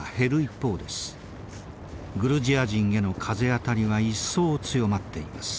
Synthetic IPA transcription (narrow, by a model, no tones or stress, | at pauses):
he̞ɾɯ̟ipːo̞ːd̪e̞sɨ̥ | ɡɯ̟ɾɯ̟ʑiaʑĩɰ̃e̞no̞kʰaze̞at̪aɾʲiβaisːo̞ːt͡sɨjo̞mat̪ːe̞imasɨ̥